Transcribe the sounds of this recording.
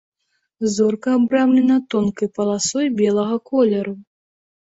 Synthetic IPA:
zɔrkɐːbɾamlʲɛnɐt̪ɔnkɐjpɐlˠasɔjbʲɛlˠɐɣɐkɔlʲɛɾu

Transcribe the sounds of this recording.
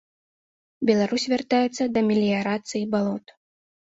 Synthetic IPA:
bʲɛlˠaɾusʲvʲart̪ajɛt̪sːɐd̪ɐmʲɛlʲijaɾat̪sɨjibalˠɔt̪

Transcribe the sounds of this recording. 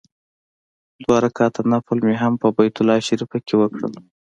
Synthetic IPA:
d̪wɑɾakɑt̪ʰanapəlmeɦampəbajt̪ʊlɑʃaɾifakewəkɽə̰l

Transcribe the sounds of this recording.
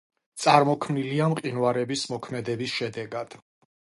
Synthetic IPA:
t̪sʼaɾmɔkʰmniliamqʼinwaɾɛbismɔkʰmɛd̪ɛbisʃɛd̪ɛɡad̪̥

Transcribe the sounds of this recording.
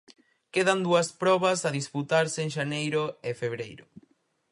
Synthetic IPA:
keðɐnd̪uɐspɾɔβɐsɐðisput̪aɾseŋʃanejɾʊɪfeβɾejɾʊ

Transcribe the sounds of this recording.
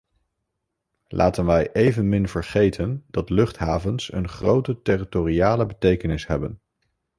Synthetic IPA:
lʔa̰ːtənʋɛjʔejvənmɪnvəɹχejtʰəndɑtlɵχtɦaːvənsə̰nχrowtətɪritoriaːləbətejkənɪsɦɛbən

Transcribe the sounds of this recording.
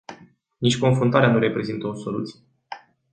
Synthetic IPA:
nit͡ʃʲko̞nfɾunt̪aɾeanuɾe̞pɾe̞zint̪əoso̞lṵt̪sije

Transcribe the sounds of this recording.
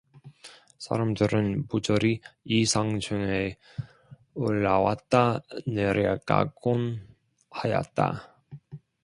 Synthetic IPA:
sʰa̰ɾamdɯɾɯnpud͡ʑʌɾiisʰaŋd͡ʑʰuŋe | oɭːawa̰t̚t͈aneɾek͈a̰ɡon | hajʌ̰t̚t͈a̰

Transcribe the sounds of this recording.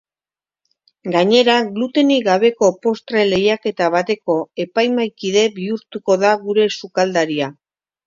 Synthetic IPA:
ɡaɲe̞ɾaɡlut̪e̞niɡaβe̞ko̞po̞st̪ɾele̞jake̞t̪aβ̞at̪e̞ko̞e̞pajmajkiðe̞βiuɾt̪uko̞ðaɣuɾe̞sukald̪aɾia

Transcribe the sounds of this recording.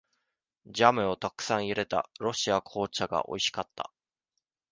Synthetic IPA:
d͡ʑamɯ̟o̞t̪akɯ̟̥sãɰ̃iɾe̞t̪a̰ɾo̞ɕiakʰo̞ːt͡ɕaɡa̰ʔo̞̰iɕi̥kat̪ːa̰

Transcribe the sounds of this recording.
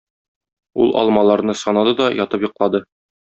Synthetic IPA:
ṵlˠʔɒ̰lˠmɑlˠɑɾnɤsɒnɑd̪ɤd̪ɒjʔɒt̪ɤpjɤ̆qlˠɑd̪ɤ

